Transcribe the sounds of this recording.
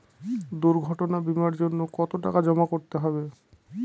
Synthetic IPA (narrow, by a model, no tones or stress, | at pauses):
d̪uɾɡʱɔʈonabimaɾd͡ʑonːokɔt̪oʈa̰kad͡ʑɔmakoɾt̪eɦɔbe